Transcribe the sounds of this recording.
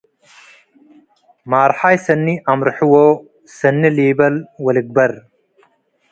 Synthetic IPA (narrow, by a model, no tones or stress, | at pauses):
maːɾħaːjsɐnːiʔamɾħuwoː | sɐnːiliːbɐlwɐliɡ̚bɐɾ